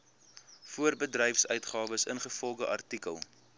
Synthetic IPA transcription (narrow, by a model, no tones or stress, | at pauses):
fuərbədrɛjfsœɥtχɑːvəsənχəfɔlˠdəʔɐ̰rtikə̰lˠ